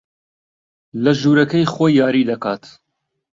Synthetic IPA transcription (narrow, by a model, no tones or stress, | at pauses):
lɐʒuːɾɐkɐjxojːaːɾiːd̪ɐkaːt̪